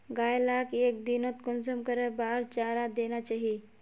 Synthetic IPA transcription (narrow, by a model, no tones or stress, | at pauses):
ɡaːjlakeːk̚d̪inot̪kʊnsəmkəɾebaːɾt͡ʃaːɾad̪eːnat͡ʃaːɦie